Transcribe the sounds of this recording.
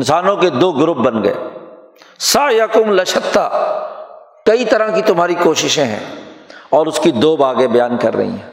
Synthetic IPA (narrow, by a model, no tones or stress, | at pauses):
nsaːnõked̪oːɡʊɾʊp̚bɐnɡɐ̰ḛː | saːjɐkʊmlɐʃət̪ːa̰ | kɐit̪ɐɾãkit̪ʊmɦaːɾikoːʃɪʃẽɦɛ̰̃ːɔːɾʊskid̪oːbaːɡebɐjaːnkɐ̰ɾːɐ̰ɦḭ̃ɦɛ̰̃ː